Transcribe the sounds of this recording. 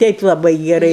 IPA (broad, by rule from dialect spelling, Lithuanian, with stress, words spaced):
ˈtʲɛɪp lˠɐˈbɐɪ ɡʲɛˈrɐɪ